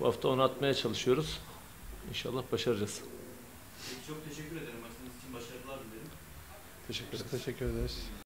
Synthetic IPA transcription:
bṵhaft̪ʰaonat̪majat͡ʃʰalˠɯʃɯjo̞ɾuz̥ | inʃa̰lˠːahbaʃaɾɯd͡ʒasɯ̥ | pʰejcʰʲi̥t͡ʃʰo̞k̚t̪ʰe̞ʃɛcʰʲːyɾe̞d̪e̞ɾimaksɯnɯzit͡ʃʰinbaʃaɾɯlˠaɾd̪ɯmd̪eɾim | t̪ʰeʃɛyt̪ʰeʃɛcʰːyɾed̪eɾiz̥

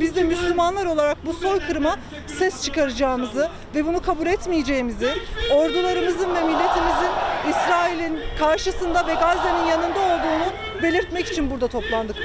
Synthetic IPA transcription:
bizd̪imyslʲymanlˠaɾo̞lˠaɾak̚buso̞jkʰɯɾɯma | sɛst͡ʃʰɯkaɾɯd͡ʒaːɯmɯzɯ | vɛbunukʰabulʲɛt̪mijed͡ʒe̞imizɪo̞ɾd̪ulˠaɾɯmɯzɯnvɛmilʲːe̞t̪ʰimizinisɾaːilʲinkʰaɾʃɯsɯnd̪avɛɡazd̪eninjanɯnd̪ao̞lˠd̪uːnu | be̞lʲiɾt̪mɛci̥t͡ʃʰinbuɾd̪at̪ʰo̞plˠand̪ɯk

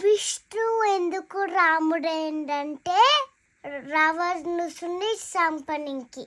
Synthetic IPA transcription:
ʋiʂʈuend̪ukuɾaːmuɽeɳɖɐɳʈeː | ɾɐʋɐznusunːit͡ʃsɐmpɐniŋki

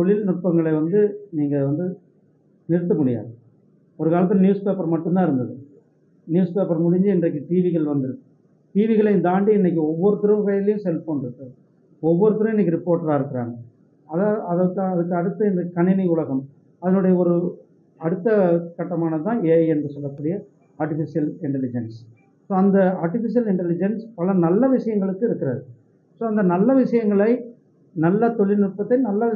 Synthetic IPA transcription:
t̪ɔɭːɪlnʊʈ̚pɐŋɡɐɭɐɪʋɐnd̪ɯniːŋɡɐʋɐnd̪ɯ | nɛɾɯt̪̬ːɐmʊɽɪja̰ːð | ɔɾɯkaːlɐt̪ːlnjuːspeːpɐɾmɐʈːɯmt̪ãːɪɾɯnd̪ɐðɯ | njuːspeːpɐɾmʊɽɪɲd͡ʒɯɪndrɐk̬ːɯʈiːʋɪɣɐɭʋɐnd̪ɪɾɯkːɯ | ʈiːʋɪɣɐɭɐɪnd̪aːɳɖiɪnːɛk̬ːɯɔʋːɔɾɯt̪ɪɾɯmkɐjlɐjɯ̃msɛlpːoːɳdɪɾɯkːɐ | ɔʋːɔɾɯt̪ɪɾɯɐmɪnːɛkːɯɾɪpːoːɾʈɐɾaːɪɾɯkːɪɾa̰ːŋɡɐ | ɐðaɐðɐkːɐðɯkːɯɐɽɯt̪ːɯɛnɐkːɯkɐɳɪnɐɪʊɭɐɣɐm | ɐðɐnɯɽɐjɐɔɾɯ | ɐɽɯt̪ːɐkɐʈːɐmaːnɐt̪ːãːeːɛndrɯsɔlːɐkːuːɽɪjɐ | aːɾʈɪfɪsɪjɐlɪɳʈɛlɪd͡ʒɐns | soːɐnd̪ɐaːɾʈɪfɪs̬ɪjɐlɪɳʈɛlɪd͡ʒɐnspɐlɐnɐlːɐʋɪʂɐjɐŋɡɐɭɯkːɯɪɾɯkːɪɾɐðɯ | soːɐnd̪ɐnɐlːɐʋɪʂɐjɐŋɡɐɭɐɪ | nɐlːɐt̪ɔɭːɪnɪʈ̚pːɐt̪ːɐɪnɐlːɐ

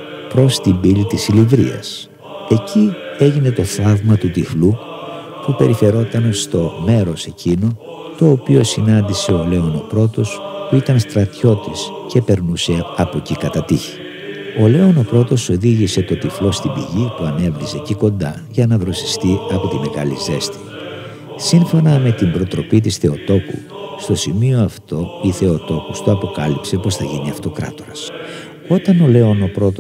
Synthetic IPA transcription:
pɾo̞st̪imbilit̪isilivɾḭɐ̰s | e̞cie̞ʝine̞t̪o̞θɐvmɐt̪ut̪iflu | pupe̞ɾife̞ɾo̞t̪ɐnst̪o̞me̞ɾo̞se̞cino̞ | t̪o̞ːpio̞sinɐnd̪ise̞ole̞o̞no̞pɾo̞t̪o̞spuit̪ɐnst̪ɾɐt̪ço̞t̪isce̞pe̞ɾnuse̞ɐpo̞cikɐt̪ɐt̪içi̥ | o̞le̞o̞no̞pɾo̞t̪o̞so̞ðiʝise̞t̪o̞t̪iflo̞st̪ibiʝipuɐne̞vɾize̞ciko̞nd̪ɐ | ʝɐnɐvɾo̞si̥st̪iɐpo̞t̪ime̞ɣɐ̰lize̞st̪i̥ | siɱfo̞nɐme̞t̪imbɾo̞t̪ɾo̞pit̪̬isθe̞o̞t̪o̞kṵ | st̪o̞simio̞ɐft̪o̞iθe̞ot̪o̞kust̪oɐpo̞kɐlipse̞po̞sθɐʝiniɐft̪o̞kɾɐ̰t̪o̞ɾɐs | o̞t̪ɐno̞le̞o̞no̞pɾo̞t̪o

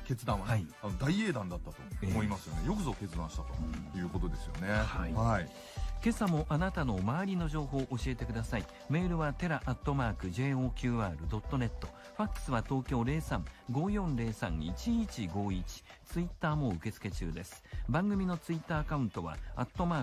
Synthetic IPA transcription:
ke̞t͡sɨd̪ãaianod̪aie̞ːd̪ãnd̪at̪ːat̪o̞eomoimasɨjo̞nejo̞kɯ̟zoke̞t͡sɨd̪ãɕi̥t̪at̪ojɯ̟ːko̞t̪o̞d̪esɨjo̞̰ne̞haihai | ke̞samo̞ʔanat̪ano̞maːɾʲino̞ʑo̞ːɦo̞ːʔoɕie̞t̪e̞kɯ̟d̪asai | me̞ːɾɯ̟βat̪e̞ɾaʔat̪ːo̞maːkɯ̟ʑe̞ːo̞ːkʲɯːaːɾɯ̟d̪o̞t̪ːo̞ne̞t̪ːo̞ | ɸakːɯ̥sɨβat̪o̞ːkʲo̞ːɾe̞ːsãŋɡo̞ːjõ̞nɾe̞ːsã̰ŋit͡ɕiit͡ɕiɡo̞ːit͡ɕi̥t͡sɨit̪ːaːmo̞ɯke̞t͡sɨ̥ke̞t͡ɕɨ̰ːd̪e̞sɨ̥bãŋɡɯ̟mʲino̞t͡sɨit̪ːaːkaɯ̟̃nt̪o̞βa̰at̪ːo̞maː

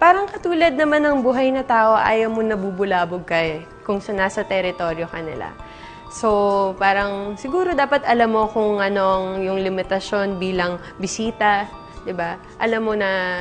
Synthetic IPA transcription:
paːɾɐŋkɐt̪uːlɐd̪̚nɐmanɐŋbuːɦɐjnɐt̪aːʔo̞ʔa̰ːjɐwmonɐbubʊlaːboɡ̚kɐʔɛ | kʊŋsɐnasɐt̪ɛɾɪt̪o̞ɾjo̞kɐnɪ̰la̰ | so̞paːɾɐŋsɪɡuːɾo̞d̪aːpɐt̪ɐlamːo̞kʊŋɐno̞ɐŋjʊŋlɪmɪt̪ɐʃo̞nbiːlɐŋ | bɪsiːt̪ɐ | d̪ɪba | ʔɐlamːonɐ

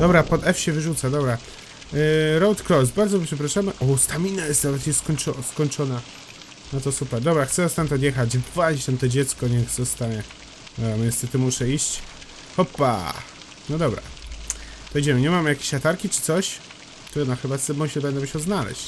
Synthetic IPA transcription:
d̪̥ɔbɾapɔd̪ɛfɕɛvɘʐut̪sad̪ɔbɾa | ɾɔwt̪kɾɔs̬baɾdzɔmʲipʂɛp̬ɾaʂamɘʔɔst̪amʲinajɛst̪navɛt̪ɲɛskɔɲt͡ʂɔskɔɲt͡ʂɔna | nɔt̪ɔsupɛɾd̪ɔbɾaxt̪sɛzɔst̪ant̪ɔd̪jɛxad͡ʑvad͡ʑit͡ɕt̪amt̪ɔd͡ʑɛt̪skɔɲɛxsɛst̪aɲɛ | mʲɛnsɛt̪ɔmuʂɛiɕt͡ɕ | xɔpːa̰ | nɔd̪ɔbɾa̰ | d̪̥ɔjd͡ʑɛmɘɲɛmamjakʲe̥ɕat̪aɾkʲit͡ʂɘ̥t̪sɔɕ | t̪ɛɡɔnaxɘbat̪ɛmuɕɛbɛnd̪ɛbɕɔznalɛ̰ɕt͡ɕ

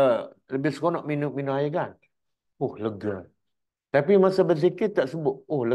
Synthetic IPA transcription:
ə | ləbɪhsəkonɔʔminʊʔminʊʔajikan | ʊhləɡə | t̪apimasabəs̬ikɪt̪aʔsəbʊt̪̚ʊhlə

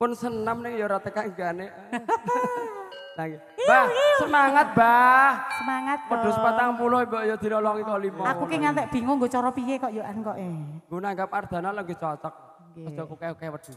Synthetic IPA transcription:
pʊnsənəmnɪŋjɔɾat̪əkaŋɡane | laɡi | b̥ahsəmaŋət̪̚bahsəmaŋət̪̚bpəd̥ʊspat̪aŋmulʊimbɔʔjɔd̪̥i̤nɔlɔŋit̪olimɔakukeŋant̪ɛʔb̥i̤ŋoŋɡot͡ʃɔɾɔpijekɔʔjoʔankɔʔeŋɡonaŋɡap̚ard̪̥a̤naləŋɡot͡ʃɔt͡ʃɔk̚ | kɔ̥d͡ʒ̥ɔkukakɛwəd̥ʊ̤

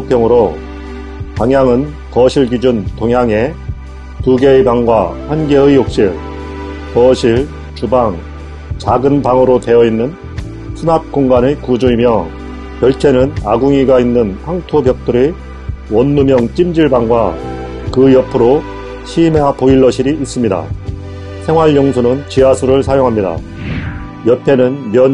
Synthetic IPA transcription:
opʰjʌŋɯɾo | paŋjaŋɯn | kʌɕʰiɭɡid͡ʑuntoŋɦjaŋe̞ | tuɡe̞ibaŋɡwaɸanɡeɯijok̚ɕ͈iɭ | kʌɕʰiɭ | t͡ɕubaŋ | t͡ɕaɡɯnpaŋɯɾote̞ʌinːɯn | sʰɯnap̚k͈oŋɡanɯkud͡ʑuimjʌ | kjʌɭt͡ɕʰe̞nɯnaɡuŋiɡainːɯnpʰaŋtʰobjʌk̚t͈oɾe | wʌnːumjʌŋt͡ɕ͈imd͡ʑiɭbaŋɡwa | kɯjʌpʰɯɾo | ɕʰimeapoiɭːʌɕʰiɾiːs͈ɯmɲida̰ | sʰe̞ŋɦwaɭjʌŋsʰunɯnt͡ɕiasʰuɾɯɭsʰajoŋɦamɲida̰ | jʌpʰe̞nɯnmjʌn

